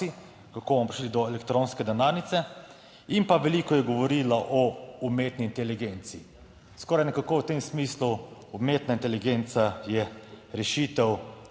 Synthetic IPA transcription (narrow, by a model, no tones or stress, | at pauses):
i | kakobɔmɔpɾi̥ʃlid̪ɔɛlɛkt̪ɾõnskɛd̪ɛnaɾnit̪sɛ | impaʋɛliːkɔjɛɡɔʋɔɾiːlaʔɔumeːt̪niːnt̪ɛliɡent̪siː | skɔːɾajnɛkakowt̪emsmiːsluumeːt̪naint̪ɛliɡent̪sajɛɾɛʃit̪ɛw